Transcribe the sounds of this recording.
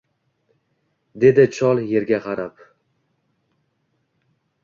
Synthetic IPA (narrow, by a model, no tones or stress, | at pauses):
d̪e̞d̪ɪt͡ʃʰɒlˠje̞ɾɡʲaqɑɾap